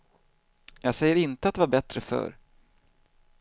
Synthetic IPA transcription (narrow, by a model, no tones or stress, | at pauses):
jɑːɡsɛjːəɾɪnt̪əat̪̚d̪ɛvaɾbɛt̪ɾəfœ̰ːɾ